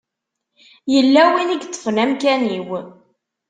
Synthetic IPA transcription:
jəlːæwiniɡt̪ˤːə̥fnæmkæniw

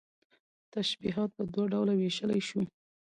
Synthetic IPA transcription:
t̪aʃbiɦɑt̪̚pəd̪waɖawlaweʃəlajʃu

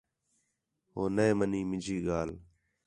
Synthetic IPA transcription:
ɦoːneːməniːmɪd͡ʒʱiːɠaːl

